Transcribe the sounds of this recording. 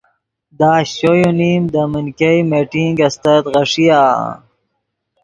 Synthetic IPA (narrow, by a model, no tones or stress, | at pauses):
d̪ɑːɕojonimd̪əminkɐjmeʈiŋɡɐst̪ɐt̪ɣɐʂijaː